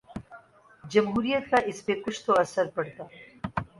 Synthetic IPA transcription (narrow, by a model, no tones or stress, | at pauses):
d͡ʒɐmɦuːɾijət̪̚kaʔɪspekʊt͡ʃʰt̪oɐsəɾpɐɽt̪aː